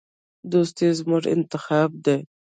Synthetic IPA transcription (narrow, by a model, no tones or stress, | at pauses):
d̪ost̪izmʊʐɪ̰nt̪ɪxɑːb̚d̪e